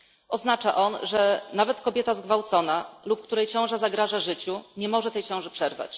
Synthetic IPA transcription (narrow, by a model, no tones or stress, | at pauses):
ɔznat͡ʂaʔɔnʐɛnavɛt̪kɔbʲjɛt̪azɡvawt̪sɔnalup̚kt̪uɾɛjt͡ɕɔ̃w̃ʐazaɡɾaʐaʐɘt͡ɕuɲɛmɔʐɛt̪ɛjt͡ɕɔ̃w̃ʐɛpʂɛɾva̰t͡ɕ